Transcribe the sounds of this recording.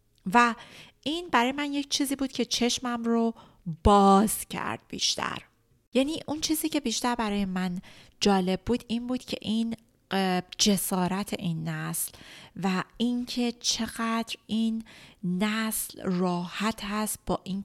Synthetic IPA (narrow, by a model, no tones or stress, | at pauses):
væʔiːnbæɾɒːjemænje̞ct͡ʃʰiːziːbuːd̪̥̚cʲʰet͡ʃʰe̞ʃmæmɾo | b̥ɒːz̥cʰæ̰ɾd̪̥̚bḭːʃt̪ʰæ̰ɾ | jæːniːʔunt͡ʃʰiːziːcʰe̞biːʃt̪æɾbæɾɒːje̞mænd͡ʒɒːle̞b̚ːuːd̪̥iːnbuːd̪̥cʰe̞̰ʔin | d͡ʒe̞sɒːɾæt̪ʰe̞ʔiːnːæslvæiŋcʰe̞t͡ʃʰe̞ɣæd̪ɾiːnː | æslrɒːhæt̪ʰhæst̪̚b̥ɒːʔiːn